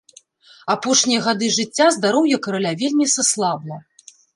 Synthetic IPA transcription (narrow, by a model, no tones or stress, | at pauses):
apɔʂnʲijɐɣad̪ɨʐɨt͡sʲːazd̪aɾɔwjɐkɐɾalʲavʲelʲmʲisaslˠabnɐ